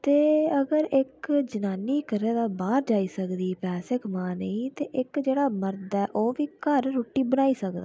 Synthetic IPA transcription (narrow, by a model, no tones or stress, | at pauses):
t̪eːəɡəɾɪkd͡ʒənaːniːkəɾeːd̪aːbaːɾd͡ʒaːiːsəkd̪iːpɛːseːkmaːnəĩːt̪eːʔɪkd͡ʒeːɽaːməɾd̪ɛːʔoːʋiːkəɾːoːʈːiːbənaːiːsəkd̪a̰ː